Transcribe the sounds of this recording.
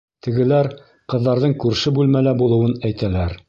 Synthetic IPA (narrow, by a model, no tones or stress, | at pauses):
t̪ɘ̆ɡɘ̆læɾ | qɤ̆ðːɑɾðɤɴkʉɾʃɘbʉlmælæbulˠɤ̆wɤnæjt̪ælæɾ